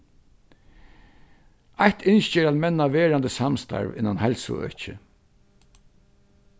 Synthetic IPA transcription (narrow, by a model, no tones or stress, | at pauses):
aht̪ɪnʃt͡ʃeːɾalmɛnːaʋeːɾand̪əsamst̪ʰa̰ɹvɪ̰nːanhɛlsʊ̰œ̰t͡ʃɪ